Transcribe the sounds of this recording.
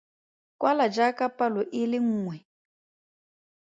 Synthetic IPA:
kwalad͡ʒakapalɔʔɪlɪŋ̩ːŋwɛ

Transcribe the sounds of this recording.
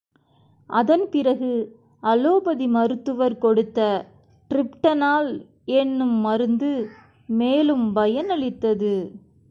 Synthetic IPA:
ʔɐðɐnpɪɾɐɣɯ | ɐloːbɐðimɐɾɯt̪ːɯʋɐɾkɔɽɯt̪ːɐ | ʈɾɪpʈɐnaːl | ɛnːɯmːɐɾɯnd̪ɯ | meːlɯmbɐjɐnɐɭɪt̪ːɐðɯ

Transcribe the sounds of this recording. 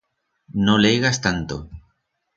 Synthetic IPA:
nolejɣast̪ant̪o̰

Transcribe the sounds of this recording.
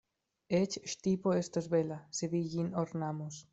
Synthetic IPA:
et͡ʃʃt̪ipoest̪ozβelaseβiʝinoɾnamos

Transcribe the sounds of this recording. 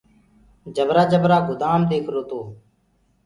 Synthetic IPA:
d͡ʒəbɾaːd͡ʒəbɾaːɡʊd̪aːmd̪eːkʰɾoːt̪oː

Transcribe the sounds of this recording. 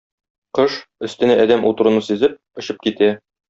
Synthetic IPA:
qɤʃɵ̆st̪ɘ̆næɒd̪æmʔut̪ɤ̆ɾɤ̆nɤsĭzɘp̚ŏɕɤp̚kit̪æ

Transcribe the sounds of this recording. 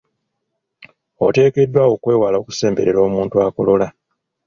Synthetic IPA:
o̰te̞ːke̞dːwawo̞kwe̞ːwalo̞ːku̥se̞ːmbe̞ɾeɾo̞ːmuːntuaːko̞lo̞la

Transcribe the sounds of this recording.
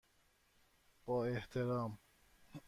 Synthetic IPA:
b̥ɒːeht̪ʰeɾɒːm

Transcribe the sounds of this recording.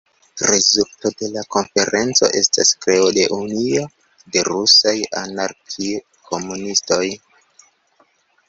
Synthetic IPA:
ɾezulto̞de̞lako̞nfe̞ɾe̞nt͡so̞̰ʔe̞sta̰skɾe̞ode̞ʔunio | de̞ɾusajanaɾkʰi | kʰo̞munisto̞j

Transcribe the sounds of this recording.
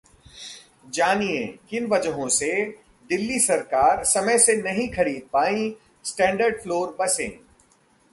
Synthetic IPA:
d͡ʒaːniẽkɪnʋɐd͡ʒɦõse | d̪ɪlːisɐɾkaːɾsɐməjsenɐɦĩxɐɾiːd̪̚paːĩ | sʈɛ̃ːɳɖəɾɖfloːɾbɐsḛ̃ː

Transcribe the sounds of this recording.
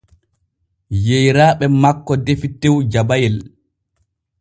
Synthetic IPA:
jejɾaːɓɛmakːɔdefitːewd͡ʒabajɛl

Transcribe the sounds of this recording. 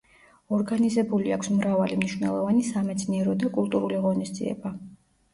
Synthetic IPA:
ɔɾɡanizɛbuliakʰsmɾavalimniʃwnɛ̰lˠɔvanisamɛt̪sʰniɛɾɔd̪akʼulˠt̪ʼuɾuliʁɔnisd̪zḭɛ̰ba

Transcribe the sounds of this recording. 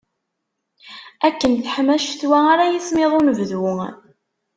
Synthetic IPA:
ækːənθħmæʃθwæaɾajismɪðˤunəvðwʊ

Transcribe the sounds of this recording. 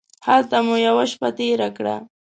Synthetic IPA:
halt̪amʊjawaʃpat̪eːɾakɽa̰

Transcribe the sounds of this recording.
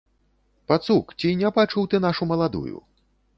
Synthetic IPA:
pat̪sukt͡sʲinʲɛbat͡ʂuwt̪ɨnaʂumɐlˠad̪ṵjṵ

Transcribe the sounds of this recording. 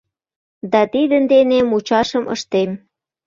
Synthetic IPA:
d̪ɑt̪id̪ənd̪enemut͡ɕɑʃəmʔə̰ʃt̪em

